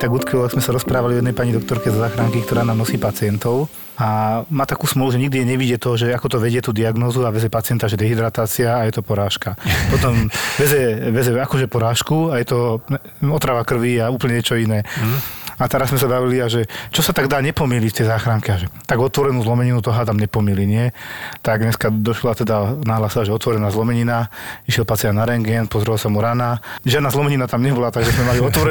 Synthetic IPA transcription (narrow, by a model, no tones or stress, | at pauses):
t̪aɡut̪kʋilaɡzmɛsaɾɔspɾaːʋaliɔjɛd̪ɛjpaɲid̪ɔk̚t̪ɔɾkɛzɔzaːxɾaŋkikt̪ɔɾaːnaːmnɔsiːpat͡siɪɛnt̪ɔʊ | amaːt̪akuːsmɔluʒɛɲiɡd̪iɛɲɛʋiɟɪɛt̪ɔɦɔʒɛakɔt̪ɔʋɛɟɪɛt̪uːd̪iaɡnɔːzuaʋɛzɛpat͡sɪɛnt̪aʒɛd̪ɛɦid̪ɾat̪aːt͡siaːjɛt̪ɔpɔɾaːʃkapɔt̪ɔmʋɛzɛʋɛzɛakɔʒɛpɔɾaːʃkuajɛt̪ɔ | ɔt̪ɾaʋakr̩ʋiauːplɲɛɲɛt͡ʃɔinɛː | at̪ɛɾazzmɛsabaʋiliaʒɛt͡ʃɔsat̪aɡd̪aːɲɛpɔmilict̪ɛjzaːxɾaŋkɛaʒɛt̪aɡɔt̪ʋɔɾɛnuːzlɔmɛɲinut̪ɔɦat̪amɲɛpɔmiliɲɪɛt̪aɡɲɛskad̪ɔʃlat̪ɛd̪anaɦlaːsɛlaʒɛɔt̪ʋɔɾɛnaːzlɔmɛɲinaiʃjɛlpat͡sianaɾɛŋɡɛnpɔzɾɛlasamuɾanaʒɪad̪naːzlɔmɛɲinat̪amɲɛbɔlat̪aɡʒɛzmɛmaliɔt̪ʋɔɾɛ